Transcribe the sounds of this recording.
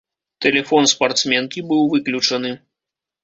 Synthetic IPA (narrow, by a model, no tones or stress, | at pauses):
t̪ɛlʲɛfɔnspart̪smʲɛnkʲibɨwvɨklʲut͡ʂɐnɨ